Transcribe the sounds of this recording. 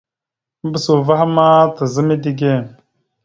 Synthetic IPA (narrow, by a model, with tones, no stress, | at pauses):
m̩˦bə˦su˨va˦ha˦ma˦tə˨zə˦mi˦di˦ɡe˦˨n